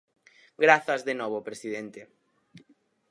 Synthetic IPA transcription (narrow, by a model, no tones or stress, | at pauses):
ɡɾaθɐzðenɔβopɾesiðent̪e